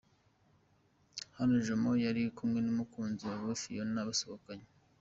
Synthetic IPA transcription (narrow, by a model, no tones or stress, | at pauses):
hanoʒomo̞jaɾikumŋe̞numukuːnziwaβofijonaβasoβokaɲe